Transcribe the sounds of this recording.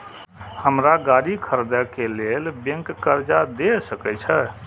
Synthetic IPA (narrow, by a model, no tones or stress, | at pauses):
həmɾaɡaɾikʰəɾd̪əkelelbə̃ŋkːəɾd͡ʒad̪esəkɛt͡ʃʰɛ